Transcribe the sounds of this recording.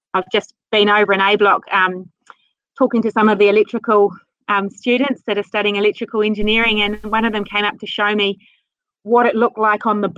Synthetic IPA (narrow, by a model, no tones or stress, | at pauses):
aɪvd͡ʒʌs | b̥ĩñoʊvə˞ɨ̃ñeɪblɒkʰʌ̃m | tʰɔˑkɪ̃ŋtɨsʌ̃mʌvðiɨlɛk̚t͡ʃɹ̥ɨkəlˠ | ʌ̃mstʉːdⁿn̩tsðɨɾə˞stʌɾiɪ̃ŋɨlɛk̚tt͡ʃɹ̥ɨkəl̩ˠɛ̃nd͡ʒɨnɪɹɪ̃ŋɨ̃nwʌ̃nʌvðɨ̃mkʰẽɪ̃mʌp̚tʰɨʃəʊmi | wɒɾɨtˡlʊk̚tˡlaɪkn̩ðəb